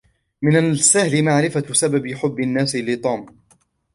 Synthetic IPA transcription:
mɪnasahlɪmaʕɾɪfasababɪħʊbːɪnːaːsɪlɪt̪ˤuːm

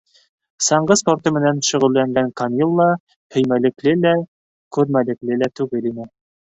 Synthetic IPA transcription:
sɑɴɢɤsport̪ɤmɘ̆nænʃɵ̆ʁɵ̆lːæŋɡæŋkɑnʲilˠːɑ | hɵ̆jmælɘ̆klɘlæ | kʉɾmælɘ̆klɘlæt̪ʉɡɘlinɘ

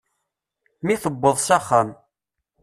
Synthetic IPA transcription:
miθəbːəðˤsæχːam

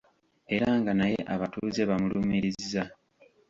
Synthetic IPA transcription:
e̞ɾaŋɡanajeʔaβatuːze̞βamulumiɾiziza

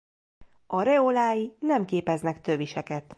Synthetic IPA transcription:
ɒɾɛolaːjinɛmkeːpɛznɛkt̪øviʃɛkɛt̪

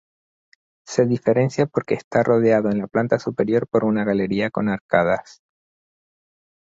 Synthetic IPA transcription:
se̞ðife̞ɾe̞nsjapo̞ɾke̞ːst̪arʔo̞ð̞eaðo̞e̞nlaplant̪asupe̞ɾjo̞ɾpo̞ɾunaɣale̞ɾiako̞naɾkað̞as

